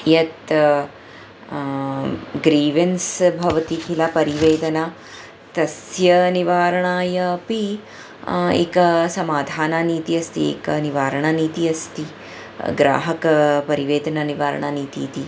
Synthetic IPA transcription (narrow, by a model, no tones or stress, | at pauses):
jɐt̪ | ɡɾiːʋensbʱɐʋɐt̪ik̪ʰilapɐɾiʋeːd̪ɐna | t̪ɐsjɐniʋaːɾɐɳaːjɐpi | ḛːkɐsɐmaːd̪ʱaːnaniːt̪iɐst̪iḛːkɐniʋaːɾɐɳaniːt̪iɐst̪i | ɡɾa̰ːɦɐkɐpɐɾiʋeːd̪ɐnɐniʋaːɾɐ̰ɳaniːt̪iːt̪i